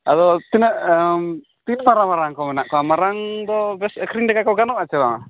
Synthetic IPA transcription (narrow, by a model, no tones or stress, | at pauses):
ad̪ɔt̪inəʔəm | t̪inmaɾamaɾaŋkɔmɛnaʔkɔamaɾaŋd̪ɔbɛskɾiŋɖɛkakɔwɡanɔʔat͡ʃɛd̪ama